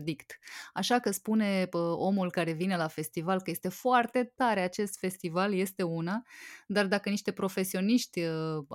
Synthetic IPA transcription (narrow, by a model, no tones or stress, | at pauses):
d̪ikt̪aʃakəspune̞o̞mulkaɾe̞vine̞lafe̞st̪ivalkəje̞st̪e̞foart̪e̞t̪aɾe̞at͡ʃe̞st̪fe̞st̪ivalje̞st̪e̞unad̪ard̪akəniʃt̪e̞pɾo̞fe̞sio̞niʃt̪ʲ